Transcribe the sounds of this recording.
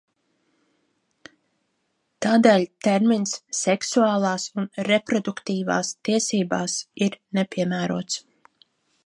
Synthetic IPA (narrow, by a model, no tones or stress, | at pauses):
t̪aːd̪eːlʲt̪ɛɾminsːɛksuaːlˠɑːsunɾepɾɔd̪ukt̪iːva̰ːst̪iɛsiːbaːsiɾnepʲiɛmæːɾuɔt̪s